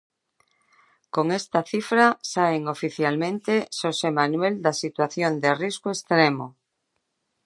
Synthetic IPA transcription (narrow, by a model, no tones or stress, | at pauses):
koŋest̪aθifɾasaeŋofiθjalmẽnt̪esosemãnweld̪asit̪waθjond̪eriskoest̪ɾemo